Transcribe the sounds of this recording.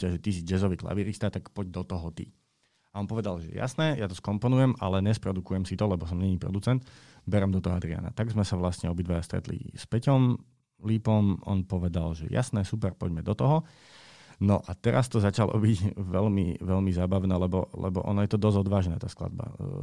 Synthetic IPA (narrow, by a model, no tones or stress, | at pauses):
caʒɛt̪is̬id͡ʒɛzɔʋiːkla̰ʋiɾist̪at̪akpɔɟd̪ɔt̪ɔɦɔt̪ḭ | aɔnpɔʋɛd̪alʒɛjɛ̰ja̰snɛːjat̪ɔskɔmpɔnujɛmʔa̰lɛɲɛspɾɔd̪ukujɛmsit̪ɔlɛbɔs̬ɔmɲɛɲiːpɾɔ̰d̪ut͡sɛnt̪ | bɛɾɛmd̪ɔt̪ɔɦɔad̪ɾia̰na̰t̪aɡzmɛsaʋlast̪ɲɛɔbid̪ʋajast̪ɾɛ̰t̪lḭspɛcɔm | liːpɔmɔ̰npɔʋɛd̪alʒɛja̰snɛːsupɛɾpɔɟmɛd̪ɔt̪ɔɦɔ | nɔʔat̪ɛɾast̪ɔzat͡ʃalʔɔ̰biɟʋɛlmḭʋɛlmizaːbaʊnɛːlɛbɔlɛ̰bɔ̰ʔɔ̰najɛt̪ɔd̪ɔzɔd̪ʋaːʒnɛ̰ːt̪aːskla̰d̪̚ba̰